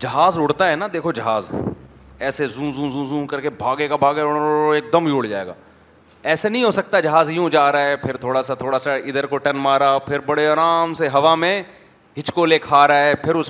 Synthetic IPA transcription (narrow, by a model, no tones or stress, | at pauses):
d͡ʒɐɦaːzʊɽt̪aɦɛnad̪eːkʰod͡ʒɐɦaːz | ɛːsezũːzũːzũːzũːkɐɾkebʱaːɡeːkabʱaːɡɛeːk̚d̪əmjuːɽd͡ʒa̰ːḛːɡa̰ː | ɛːsenəɦĩɦoːsɐk̚t̪ad͡ʒɐɦaːzjũːd͡ʒaːɾaɛpʰɪɾt̪ʰoːɽasat̪ʰoːɽasaɪd̪əɾkoʈɐnmaːɾapʰɪɾbɐɽeaːɾaːmseɦɐʋamẽ | ɦɪt͡ʃkolekʰaːɾaɦɛːpʰɪɾʊs